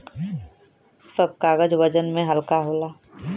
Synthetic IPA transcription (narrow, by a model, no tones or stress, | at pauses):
səb̚kaːɣəd͡ʒʋəd͡ʒənmẽɦəlkaɦoːlaː